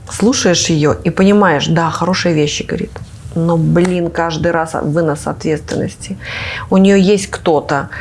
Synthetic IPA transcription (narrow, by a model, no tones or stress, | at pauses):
slˠuʂəjɪʂjɪjoʔipənʲɪmajɪʂd̪axɐɾo̞ʂɨjəvʲeɕːɪɡəvɐɾʲḭt̪ | noblʲinkaʐd̪ɨjɾasvɨnasɐ̰t̪vʲet̪st̪vʲɪ̰nːəsʲtʲɪʊnʲɪjojesʲtʲkt̪o̞t̪ə